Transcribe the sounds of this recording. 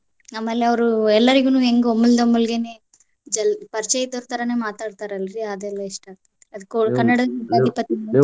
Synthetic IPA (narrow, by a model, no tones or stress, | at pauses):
aːmɐlːeɐʋɐɾuɛlːɐɾiɡunuːeŋɡomːuld̪ɐmːulɡeneː | d͡ʒɛlpɐɾt͡ʃɛjɐt̪oɾt̪ɐɾɐneːmaːt̪aːɽt̪aːɾɐlːɐɾiɐd̪ɛlːɐiʂʈɐ | ɐd̪kokɐnːɐɽɐɐd̪ʱipɐt̪ːinɐ